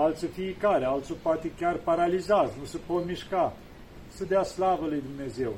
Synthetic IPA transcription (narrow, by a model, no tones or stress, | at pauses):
alt̪sofiikaɾealt̪sopoat̪ekʲarpaɾalizaznusəpot̪miʃka | səd̪easlavəlujd̪umne̞ze̞w